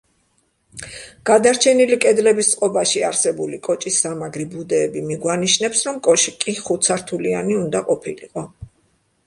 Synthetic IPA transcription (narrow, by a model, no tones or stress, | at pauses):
ɡ̥ad̪aɾt͡ʃʰɛnilikʼɛd̪lɛbist̪sʼqʼɔbaʃiaɾsɛbulikʼɔt͡ʃʼisːamaɡɾibud̪ɛːbimiɡwaniʃnɛpsɾɔmkʼɔʃikʼiχut̪sʰaɾt̪ʰulianiund̪aqʼɔpʰilḭqʼɔ